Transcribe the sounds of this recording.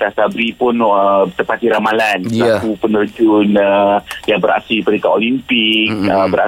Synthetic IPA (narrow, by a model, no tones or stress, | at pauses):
t̪asabɾipʊnət̪əpat̪iɾamalansakupənərd͡ʒʊnəjabəɾa̰siipəɾikaʔolimpɪk̚əbəɾa̰